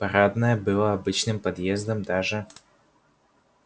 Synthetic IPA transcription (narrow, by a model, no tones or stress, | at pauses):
pɐɾad̪nəjəbɨlˠəɐbɨt͡ɕnɨmpɐd̪jezd̪əmd̪aʐɨ